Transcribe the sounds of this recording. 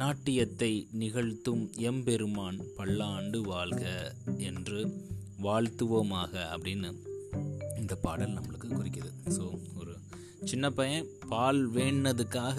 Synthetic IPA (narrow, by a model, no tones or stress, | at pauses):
naːʈːɪjɐt̪ːɐɪnɪɣɐɻt̪ːɯmɛmpɛɾɯmaːnpɐɭːaːɳɖɯʋaːɭɣɐɛndrɯʋaːɻt̪ɯʋɐmaːɣɐɐpːɐɽɪnːɯ | ɪnd̪ɐpaːɽɐlnɐmːɐɭɯkːɯkːʊrɪkːɐðɯsoːɔɾɯ | t͡ʃɪnːɐpːɐjɐ̃paːlʋeːɳːɐðɯkːaːɣɐ